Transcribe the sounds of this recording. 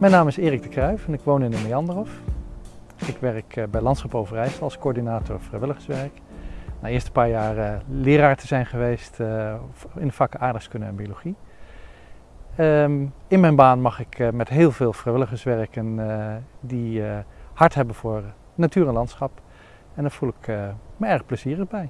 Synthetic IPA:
mɛjnaːmɪsɪːrɪɡ̚dəkrœɥfɛnɪkʋownɪnəmijɑndərɔf | ɪkʋɛɹəkbɛjlɑntsχɑpowvərɛjstɑlˠskoːɹdinaːtʊɹfrɛjʋɪləχənsʋɛɹk | naːɪːɹstəpaːɹjaːrəlɪːɾaːɹtəzɛjnχəʋejst | ɪnəflaːkəʔaːɹdəχskɵnənɛ̰nbioloχi | əɪnmɛjnbaːnmɑχɪkmɛtɦeːlˠveːlˠfrɛjʋɪləχəsʋɛɹkən | di | hɑɹtɦɛbənvʊːɹ | natyːɹɛnlɑntsχɑp | ɛndaːɹv̥ulˠɪkməɛɹχpləziːrəχbɛj

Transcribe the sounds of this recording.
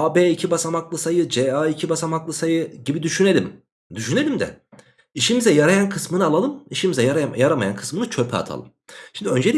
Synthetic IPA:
abeːicʰibasamaklˠɯsajɯd͡ʒɛaicʰibasamaklˠɯsajɯɟibid̪yʃyne̞lʲim | d̪yʃyne̞lʲimd̪ɛ̰ | iʃimizɛjaɾajankʰɯsmɯnɯalˠalˠɯmiʃimizɛjaɾajaɾamaja̰nkʰɯ̥smɯnɯt͡ʃʰø̞pʰɛ̰a̰t̪ʰa̰lˠɯ̰mʃimd̪iø̞nd͡ʒe̞lʲi

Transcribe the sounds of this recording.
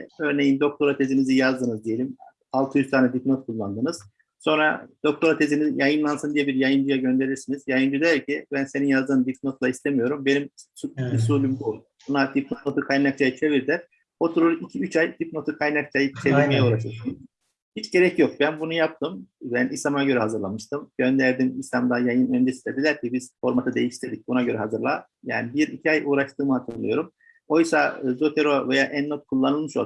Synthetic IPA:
ø̞ɾne̞jimd̪o̞k̚t̪ʰo̞ɾat̪ʰe̞zinizijazd̪ɯnɯzd̪ije̞lʲim | alˠt̪ʰɯjyzt̪ʰaːnɛd̪ipno̞t̪̚kʰulˠːand̪ɯnɯz̥ | so̞nɾa̰d̪̥o̞k̚t̪ʰo̞ɾat̪ʰe̞zinizjajɯnlˠansɯnd̪ijɛbiɾjajɯnd͡ʒujaɟø̞nd̪e̞ɾiɾsiniz̥jajɯnd͡ʒud̪æɾcʰibænse̞ninjazd̪ɯːnd̪ipno̞t̪lˠaist̪ʰe̞mijo̞ɾumbe̞nimsuiisulʲymbu | bunad̪ipnono̞t̪ʰukʰajnak̚t͡ʃʰajɯt͡ʃʰe̞viɾd̪ʲæɾ̥ | o̞t̪ʰuɾuɾicʰiyt͡ʃʰajt̪ʰipno̞t̪ʰɯkʰajnak̚t͡ʃʰajɯt͡ʃʰeviɾmejɛuːɾaʃɯsɯm | hit͡ʃɟe̞ɾɛcjo̞k̚bænbunujap̚t̪ʰɯmbænisamaɟø̞ɾɛɦazɯɾlˠamɯʃt̪ʰɯmɟø̞nd̪æɾd̪imisamd̪ajajɯnø̞nd͡ʒesind̪ʲɛd̪ilʲæɾcibiz̥fo̞ɾmat̪ʰɯd̪e̞jiʃt̪ʰed̪ic̚ʲbunaɟø̞ɾɛɦazɯɾlˠa | ja̰ːnibiɾicʰiajʔuːɾaʃt̪ɯːmɯhat̪ʰɯnlˠɯ̰jo̞ɾum | o̞jsazo̞t̪ʰeɾovejaʔænːot̪̚kʰulˠːanɯlˠmɯʃo̞̰

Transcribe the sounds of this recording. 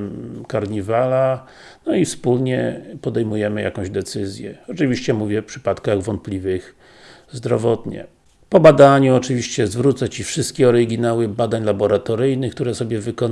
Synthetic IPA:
kaɾɲivala | nɔifspulɲɛpɔd̪ɛjmujɛmɘja̰kɔ̃ʑd̪ɛt̪sɘzʲjɛɔt͡ʂɘvʲiɕt͡ɕɛmuvʲjɛfpʂɘ̥pat̪kaɣvɔnt̪̚plʲivɘx | zd̪ɾɔvɔt̪ɲɛ̰ | pɔbad̪aɲuɔt͡ʂɘvʲiɕt͡ɕɛzvɾut̪sat͡ɕifʂɘst̪̚kʲiɔɾɘɡʲinawɘbad̪aɲlabɔɾat̪ɔɾɘjnɘxkt̪uɾɛsɔbʲjɛvɘkɔn

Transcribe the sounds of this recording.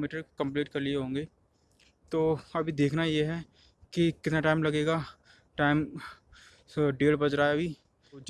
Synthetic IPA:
miːʈəɾkɐ̃mpliːʈkɐɾlieɦõːŋɡeː | t̪oːɐbʱid̪eːkʰnajeɦɛ | kikɪt̪naʈaːɪmlɐɡeːɡa | ʈaːɪm | ɖeːlbɐd͡ʒɾaːeɐbʱiː

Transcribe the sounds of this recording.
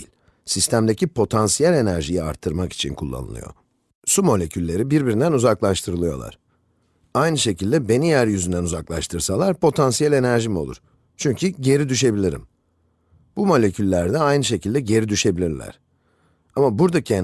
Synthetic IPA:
lʲ | sist̪ʰæmd̪e̞cʰipʰo̞t̪ʰansijælʲe̞næɾʒijia̰ɾt̪ʰːɯɾmaki̥t͡ʃʰḭnkʰulˠːa̰nɯ̰lˠɯ̰jo̞̰ | sumo̞lʲe̞cʰylʲːe̞ɾibiɾbiɾind̪ænuzaklˠaʃt̪ʰɯɾɯlˠɯjo̞̰lˠa̰ɾ̥ | ajnɯʃe̞cilʲd̪ɛbe̞nijæɾjyzynd̪ænuzaklˠa̰ʃt̪ʰɯɾsalˠaɾpʰo̞t̪ʰansijælʲe̞næɾʒimio̞lˠṵɾ̥ | t͡ʃʰyɲcʰyɟe̞ɾid̪yʃ̬e̞bilʲiɾḭm | b̥umo̞lʲe̞cʰylʲːæɾd̪ɛajnɯʃ̬e̞cʰilʲd̪ɛɟe̞ɾid̪yʃe̞bilʲiɾlʲæ̰ɾ̥ | amabuɾd̪acʰien

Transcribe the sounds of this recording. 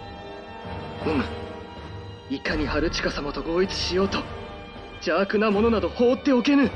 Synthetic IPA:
omɯ̟ | ikaɲ̟ihaɾɯ̟t͡ɕi̥kasamat̪o̞ɡo̞ːit͡sɨ̥ɕijo̞ːt̪o̞ | d͡ʑaːkɯ̟namo̞no̞nad̪o̞ho̞ːt̪ːe̞o̞ke̞nɯ̟

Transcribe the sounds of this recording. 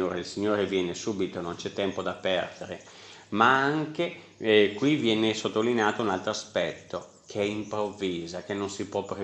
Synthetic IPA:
oːɾeilsiɲːoːɾevjɛːnesuːbit̪onont͡ʃɛt̪ːɛmpod̪apːɛrd̪eɾe | maaŋke | kwivjɛːnesot̪ːolineaːt̪ounalt̪ɾoaspɛt̪ːo | kʰeɛimpɾovːiːzak̟enːonsipwɔpːɾe

